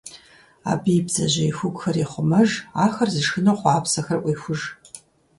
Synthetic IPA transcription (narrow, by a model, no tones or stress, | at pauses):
a̰ːbijbzɐʑɐixʷʊkʷʼxɐriːχʷʊmɐʒaːxɐrzɨʂxɨnowχʷɑːpsɐxɐrʔʷʼiːxʷʊʒ